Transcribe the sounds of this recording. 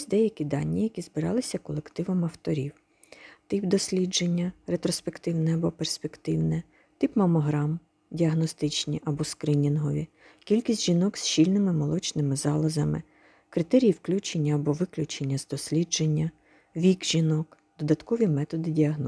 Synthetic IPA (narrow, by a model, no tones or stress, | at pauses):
sʲd̪ɛjɐkʲid̪ɑ̰nʲːijɐkʲizbɪɾɑ̰lˠɪsʲɐkɔlˠekt̪ɪʋɐmɐwt̪ɔɾʲiw | t̪ɪpd̪ɔsʲlʲid͡ʒenʲːɐɾet̪ɾɔspe̞kt̪ɪwnɛɐbɔperspekt̪ɪwnɛ | t̪ɪpmɐmɔɦɾɑm | dʲiɐɦnɔst̪ɪt͡ʃnʲiʔɐbɔskɾɪnʲinɦɔʋʲi | kʲilʲkʲisʲtʲʒ̥inɔksʃilʲnɪmɪmɔlˠɔt͡ʃnɪmɪzɑlˠɐzɐmɪ̰ | kɾɪt̪ɛɾʲijiwklʲut͡ʃenʲːɐːbɔʋɪklʲut͡ʃenʲːɐzd̪ɔsʲlʲid͡ʒe̞nʲːɐ | ʋʲikʒinɔk | d̪̥ɔd̪ɐt̪kɔʋʲimɛt̪ɔd̪ɪdʲiɐɦnɔ